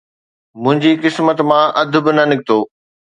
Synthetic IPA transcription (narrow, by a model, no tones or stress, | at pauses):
mʊ̃ɦɪ̃ɲd͡ʑikɪsmət̪mãʔɐd̪ʱʊ̆bɪnɐnɪk̚t̪oː